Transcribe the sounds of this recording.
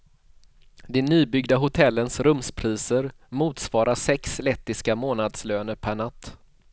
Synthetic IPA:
d̪ɛnyːbʏɡd̪aɦʊt̪ʰɛlːənsɾɵmspʰɾiːsəɾ | muːt̪svɑːɾʔaʂɛkslɛt̪ːɪskamoːnad̪sløːnəɾpʰæɳat̪ː

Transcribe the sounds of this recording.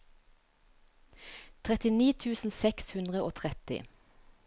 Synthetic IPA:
t̪ʰʁɛt̪ɪniːt̪ʰʉːsn̩sɛkshʉnd̪ʁəoːt̪ʰʁɛt̪ɪ̰

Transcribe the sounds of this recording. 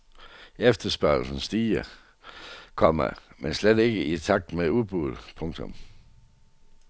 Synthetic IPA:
efd̥ɐsb̥ɶɐl̩sn̩sd̥iːɐ | kʰɒ̽mɐmensled̥e̝ɡ̥əit͡sʰɑ̈ɡ̥̚d̥meuðˠb̥uð̩̰ˠpʰɔ̽ŋt͡sʰɔ̽m

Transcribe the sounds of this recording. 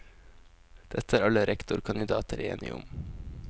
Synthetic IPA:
d̪̥ɛt̪əæːɾɑləɾɛkt̪ʊɾkʰɑnɪd̪ɑːt̪əɾḛːnɪ̰ʔʊ̰m

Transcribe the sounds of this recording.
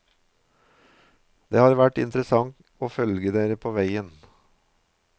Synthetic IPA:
d̪eːhɑːɾʋæʈɪ̰nt̪ɾəsɑŋ | oːfœlɡəd̪eːɾəpʰoːʋæɪən

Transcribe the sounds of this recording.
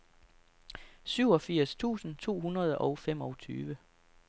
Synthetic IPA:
syʊɒ̽fiɐ̰st͡sʰṵːsn̩t͡sʰo̝̰ːhunɐð̞ˠɒ̽ʊfem̰ɒ̽ʊt͡sʰy̰ːʋə

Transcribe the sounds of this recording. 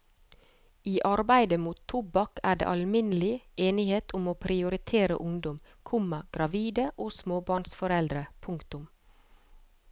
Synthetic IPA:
iːʔɑɾbæɪd̪əmuːt̪ʰʊbɑkʰæːɖḛːʔɑlmɪnəlɪʔeːnɪheːt̪ʰʊmoːpʰɾɪʊɾɪt̪ʰeːɾə̰ʔʊŋd̪ɔm | kʰʊmɑɡ̥ɾɑʋiːd̪əʔoːsmoːbɑːɳsfɔɾɛld̪ɾəpʰʊŋkt̪ʊm

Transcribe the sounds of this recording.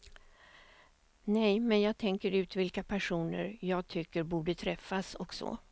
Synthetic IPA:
nɛjmɛnjɑːɡ̚t̪ʰɛŋkəɾʉ̟ːt̪vɪlkapʰæʂuːnə̰ɾjɑːɡ̚t̪ʰʏkːəɾbuːɖət̪ʰɾɛfːasɔksɔ̰

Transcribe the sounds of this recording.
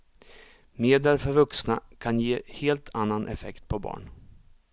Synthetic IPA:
meːd̪ɛlfœɾvɵksnakʰanjeːheːlt̪ʰanːanʔɛ̰fɛkt̪̚pʰɔbɑ̰ːɳ

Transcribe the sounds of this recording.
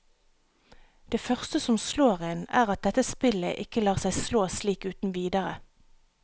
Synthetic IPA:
d̪̥eːfœʁst̪əsɔmsloːʁɪnæːʁɑt̪̚d̪ɛt̪əspɪlə̰ʔɪkəlɑːʁsæɪsloːsliːkʉːt̪n̩ʋiːd̪əʁə

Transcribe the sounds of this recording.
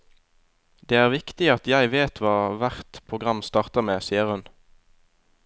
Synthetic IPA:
d̪eːæːʁʋɪkt̪ɪɑt̪jæɪʋeːt̪ʰʋɑːʋæʁt̪pʰʁʊɡʁɑmst̪ɑːʁt̪əʁmeːsiːəʁhʉn

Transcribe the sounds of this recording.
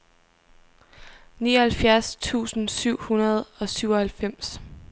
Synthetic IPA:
nḭːɐhælfjæɐst͡sʰṵːsn̩syʊ̰hunɐð̞ˠɒ̽syʊɒ̽hælfem̰s

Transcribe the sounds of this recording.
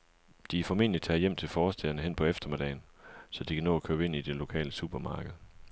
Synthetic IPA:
d̥ifɒme̝ːn̰li̥t͡sʰɛ̰ːjem̰t͡sʰe̝lfɒːsd̥eɐnəɦen̰pʰɒ̽efd̥ɐme̝d̥ɛɪnsɒ̽d̥ikʰænɔ̰̽ːækʰøːbe̝n̰id̥e̝lo̝kʰɛ̰ːləsub̥ɐmɑ̈ːɡ̥əð̩ˠ

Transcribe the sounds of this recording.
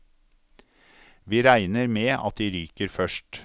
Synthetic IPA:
ʋiːɾæɪnəɾmeːɑ̰t̪̚d̪iːɾyːkəɾfœʃʈ

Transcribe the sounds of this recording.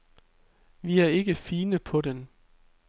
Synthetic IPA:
ʋiæɐe̝ɡ̥əfiːnəpʰɒ̽den

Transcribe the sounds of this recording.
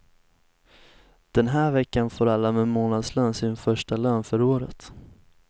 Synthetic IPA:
d̪̥ɛnɦæːɾvɛkːanfoːɾalːamɛmoːnad̪slœːnsɪnfœʂʈalœːnfœɾoːɾə̰t̪

